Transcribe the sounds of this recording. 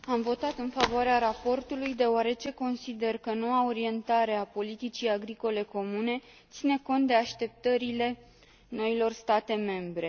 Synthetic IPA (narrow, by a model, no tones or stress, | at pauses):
amvo̞t̪at̪ɨnfavoaɾeaɾapo̞rt̪ulujd̪e̞oaɾe̞t͡ʃe̞ko̞nsid̪e̞rkəno̞wao̞ɾie̞nt̪aɾe̞apo̞lit̪it͡ʃijaɡɾiko̞le̞ko̞mune̞ | t̪sine̞ko̞nt̪̚d̪e̞aʃt̪e̞p̚t̪əɾile̞ | no̞ilo̞rst̪at̪e̞me̞mbɾe̞